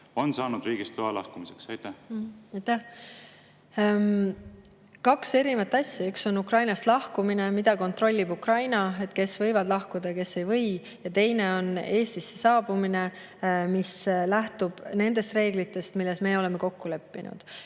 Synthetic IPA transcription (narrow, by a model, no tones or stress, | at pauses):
o̞nsɑːnud̪̥riːɡ̥ist̪loɑlɑ̰hkumiseksɑjt̪æhɑjt̪æh | kɑkse̞ɾimɑt̪ːˑɑsʲːjɑykso̞nukrɑjnɑst̪lɑhkumine̞mid̪ɑko̞nt̪ro̞lʲːibukrɑjnɑe̞t̪ˑke̞svɤ̞jvɑd̪̥lɑhkud̪̥ɑke̞sːe̞jvɤ̞j | jɑt̪e̞jne̞o̞ne̞ːst̪isːesɑːb̥umine̞ | mislæht̪ub̥ne̞nd̪e̞st̪re̞ːɡlit̪ːˑe̞st̪milːe̞sme̞ːo̞le̞meko̞kːule̞pːinṵd̪̥